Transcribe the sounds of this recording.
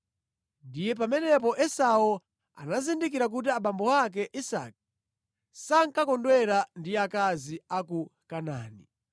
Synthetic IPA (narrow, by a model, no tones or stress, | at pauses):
ndijɛp̬amɛnɛp̬ɔʔɛsaɔ | a̰nazindik̬iɾak̬ut̬iaɓambɔwak̬ɛʔisa̰k̚i | saŋkakɔndwɛɾandiakaziakukana̰ːni